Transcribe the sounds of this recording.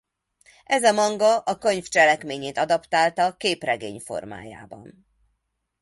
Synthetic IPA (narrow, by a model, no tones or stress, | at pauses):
ɛzɒmɒŋɡɒʔɒkø̞ɲft͡ʃɛlɛkmeːɲeːt̪ɒd̪ɒpt̪aːlt̪ɒkeːprɛɡeːɲfo̞̰rma̰ːja̰ːbɒ̰n